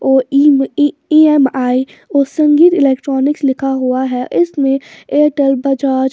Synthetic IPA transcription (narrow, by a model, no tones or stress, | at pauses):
oː | iːɛmaːi | oːsɐ̃ŋɡiːt̪ɪlɛːk̚ʈɾɔːnɪkslɪkʰaɦuaɦɛʔɪsmẽeːʈəlbɐd͡ʒaːd͡ʒ